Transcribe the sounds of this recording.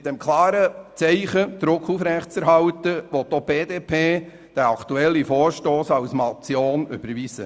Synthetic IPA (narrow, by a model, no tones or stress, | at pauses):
t̪ɛmkʰlɑːɾət͡sɛɪχəd̪̥ɾʊkʰufɾɛχtt͡sɛɾɦɑwt̪əʋɔt̪ːob̥eːd̪eːpʰeː | d̥ɛɾɑkʰt̪uɛlːifɔːɾʃtoːsɑwsmɑt͡sjoːnʏ̰b̥əɾʋisə̰